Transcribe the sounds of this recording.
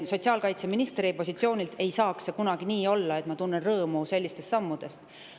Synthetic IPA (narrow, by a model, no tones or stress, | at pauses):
so̞t̪ʲsiɑːlkɑjt̪se̞minist̪ɾipo̞sʲit̪sio̞ːnʲilt̪e̞jsɑːksekunɑɡ̥iniːo̞lːɑe̞t̪mɑt̪unːenrɤːmuse̞lʲːist̪e̞st̪sɑmːud̪̥e̞st̪